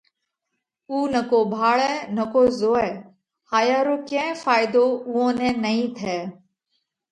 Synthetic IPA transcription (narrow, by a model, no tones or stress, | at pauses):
uːnəkoːbʱaːɭɛːnəkoːzoːɛː | haːjaːɾoːkẽːfaːɪd̪oːʊɦõːnɛ̃ːnəĩːt̪ʰɛː